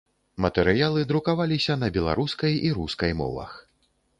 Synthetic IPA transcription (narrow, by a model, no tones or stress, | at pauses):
mɐt̪ɛɾɨjalˠɨd̪ɾukavalʲisʲɐnɐbʲɛlˠa̰ɾuskɐjiɾuskɐjmɔ̰vɐ̰x